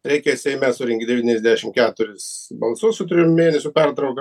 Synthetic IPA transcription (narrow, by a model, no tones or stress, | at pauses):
ɾʲɛɪkʲɛsʲɛɪmʲɛsʊɾʲɪŋʲɡʲɪd̪ʲɛʋʲiːnʲɛzʲd̪ʲæʃʲɪmkʲæːt̪ʊɾʲɪsbɐlˠsʊssʊt̪̬ʊɾʲɪjummʲeːnʲɛsʲʊpʲɛɾt̪ɾɐʊkɐ